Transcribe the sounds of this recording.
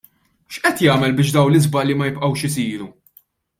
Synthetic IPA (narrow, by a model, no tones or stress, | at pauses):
ʃʔɛt̪jɐːmɛlbɪːʃd̪ɐwnlɪzbɐlːimɐjɪpʔɐwʃɪsiːɾu